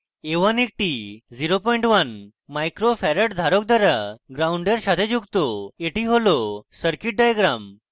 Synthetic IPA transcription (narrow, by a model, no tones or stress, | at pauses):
eʋanek̚ʈid͡ziɾopɔiɳʈʋən | majkɾofɛɾəʈd̪ʱaɾok̚d̪aɾaɡɾauɳɖeɾɕat̪ʰed͡ʑuɡt̪oeʈiɦolosəɾkiʈ̚ɖajɡɾam